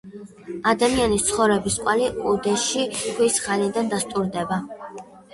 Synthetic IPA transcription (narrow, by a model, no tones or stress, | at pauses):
ad̪amianist̪sʰχɔvɾɛbisqʼwaliud̪ɛʃiχʰwisχalid̪and̪ast̪ʼuɾd̪ɛba